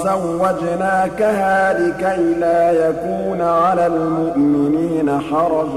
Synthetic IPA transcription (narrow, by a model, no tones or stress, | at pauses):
zawːad͡ʒnaːkahaːlɪkajlaːjakuːnʕalalmʊʔmɪniːnaħɑɾˤɑd͡ʒ